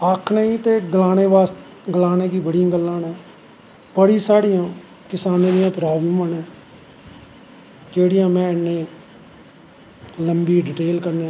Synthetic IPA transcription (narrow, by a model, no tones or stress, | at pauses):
əkʰnəĩːt̪eːɡəlaːneːbaːst̪ | ɡəlaːnẽːkiːbəɽijãːɡəlːãːnɛː | pəɽiːsaːɽijãː | kɪsaːnẽːd̪ɪjãːpɾaːbləmãnɛ̃ː | d͡ʒeːɽɪjãːmɛ̃ːɪnːẽː | ləmbiːɖɪʈeːlkəɾnẽ